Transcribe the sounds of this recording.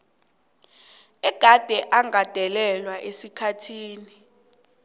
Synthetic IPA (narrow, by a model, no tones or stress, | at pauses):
ɛɡ̥ʱad̥ʱɛʔaŋad̥ʱɛlɛlwaʔesikʰatʰiːni